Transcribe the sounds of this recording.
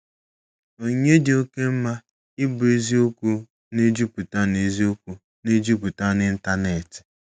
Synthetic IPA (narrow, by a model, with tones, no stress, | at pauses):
o˨ɲe˦de˨o˦ke˦m̩˦ma˦ | ɪ˦bʊ˨e˦zi˦o˦ku˦ | ne˦d͡ʒu˦pu˨ta˦ne˨zi˦o˦ku˦ | ne˦d͡ʒu˦p̬u˨ta˦nɪ˦n̩˦ta˦ne˨tɪ̥˨